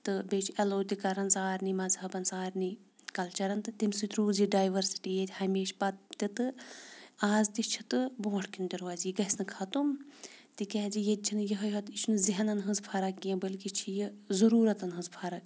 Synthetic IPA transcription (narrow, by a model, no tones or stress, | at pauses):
t̪ɨbeːt͡ʃʰɐloːt̪ikɐɾɐnsaːɾʲnimɐzɦɐbɐnsaːɾnikɐlt͡ʃɐɾɐnt̪ɨt̪imsit̪ɾuːziɖaːjʋɐɾsi̥ʈijet̪ʲhɐmeːʃpɐt̪̚t̪it̪ɨ | aːzt̪it͡ʃʰit̪ɨboːʈʰkind̪iɾʋaːziɡɐsnɨkʰɐt̪umt̪ikʲɛːd͡ʒijet̪̚ʲt͡ʃʰinjɐɦɐjɦɐt̪it͡ʃʰnɨziɦɐnɐnɦɐ̃zpʰɐɾɐkːijɐ̃bɐlkit͡ʃʰijizɐɾuːɾɐt̪ɐnɦɐnzpʰɐɾɐk